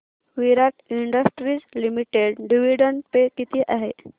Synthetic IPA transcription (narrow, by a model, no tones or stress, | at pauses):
ʋiɾaʈiɳɖəsʈɾiːt͡slimiʈeɽɖiʋiɖəɳpekit̪ʰiːʔaɦe